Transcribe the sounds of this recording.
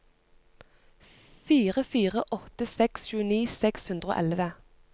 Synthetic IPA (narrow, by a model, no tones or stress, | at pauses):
fiːʁəfiːʁəʔɔt̪əsɛksʃʉːəniːsɛkshʉnd̪ʁəo̰ːʔɛlʋə